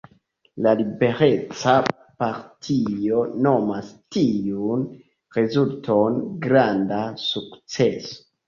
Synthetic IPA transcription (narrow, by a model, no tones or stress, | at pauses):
lalibe̞ɾe̞t͡sa | paɾtʰio̞no̞mastiun | ɾe̞zultʰo̞nɡɾandasukt͡se̞so̥